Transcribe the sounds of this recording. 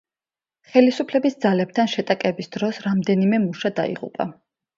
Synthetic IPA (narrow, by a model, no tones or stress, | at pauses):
χɛlisupʰlɛbisd̪zalɛb̚t̪ʰanʃɛt̪ʼakʼɛbisd̪̥ɾɔsɾamd̪ɛnimɛmuʃad̪a̰ḭʁṵpʼa̰